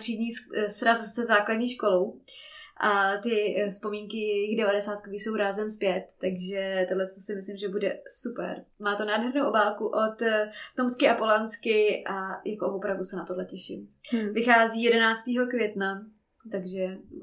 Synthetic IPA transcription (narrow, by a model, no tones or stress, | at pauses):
r̥iːdɲiːsɾazsɛzaːkladɲiːʃko̞lowʔat̪ɪfspo̞miːŋkɪjjɪɣdɛvadɛsaːt̪̚koviːso̞wɾaːzɛmspjɛt̪ːaɡʒɛt̪odlɛssɪmɪslɪmʒɛbudɛsupɛ̰ɾmaːt̪onaːdɦɛɾnowʔobaːlkuʔot̪t̪o̞mskɪʔapolanskɪʔajakovopɾavdusɛnat̪odlɛcɛʃɪ̰mvɪxaːziːjɛdɛnaːt͡st̪iːɦo̞kvjɛt̪na | t̪aɡʒɛ